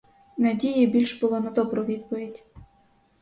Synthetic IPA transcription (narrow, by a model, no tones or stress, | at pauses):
nɐdʲijibʲilʲʃbʊlˠɔnɐd̪ɔbɾɔʋʲid̪̚pɔʋʲidʲ